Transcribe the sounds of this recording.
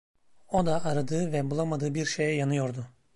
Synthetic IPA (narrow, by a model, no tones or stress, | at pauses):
o̞d̪aʔːɾad̪ɯːvɛbulˠamad̪ɯːbiɾʃejɛjanɯjo̞ɾd̪ʊ